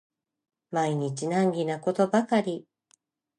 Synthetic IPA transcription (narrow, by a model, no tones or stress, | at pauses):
maiɲ̟it͡ɕinãŋɡʲinako̞t̪o̞bakaɾʲi